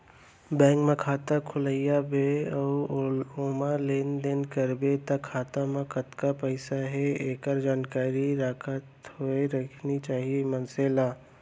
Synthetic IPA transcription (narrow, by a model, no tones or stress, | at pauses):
bɛ̃ːŋkmẽkʰaːt̪akʰʊləɪjabeɔːoːmaleːnd̪enkɐɾbet̪ɐkʰːaːt̪amẽkɐt̪kapɛɪsaɦɛeːkəɾd͡ʒaːnkaːɾiɾakʰət̪ɦoeɾɐkʰnit͡ʃaːɦiemənseːlaː